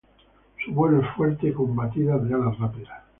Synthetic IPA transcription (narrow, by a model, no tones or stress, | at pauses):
suβweloesfweɾt̪eko̞mbat̪iðarealarapiða